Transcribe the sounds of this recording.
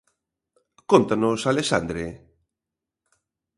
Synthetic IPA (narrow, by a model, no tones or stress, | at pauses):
kont̪anʊsalesand̪ɾe